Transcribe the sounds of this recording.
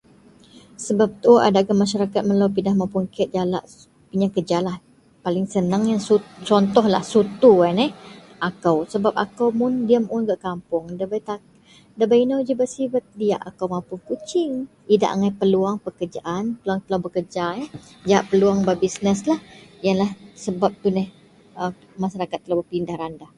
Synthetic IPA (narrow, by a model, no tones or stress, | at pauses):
səbap̚t̪ʔa̰daɡamaʃ̬aɾakat̪̚məlawp̬indahmapuŋkɛt̪̚d͡ʒalaʔ | piɲakəd͡ʒalah | palɪŋsənaŋjaŋsut͡ʃɔnt̪ɔhlahsut̪uanɛh | ʔakawsəbap̚a̰kawmʊndiəmʔʊnɡaʔkampʊŋdabajt̪a | dabainawd͡ʒəbəsibət̪̚dia̰ʔakawmapʊŋkut͡ʃɪŋ | ida̰ʔa̰ŋajpəluaŋpəkərd͡ʒa̰ʔanpəluaŋt̪əlabəkəd͡ʒaɛ | d͡ʒaaʔpəluaŋbabisnəslahjanlahsəbap̚t̪unɛh | ə | maʃaɾakat̪ːəlabəpindahɾanda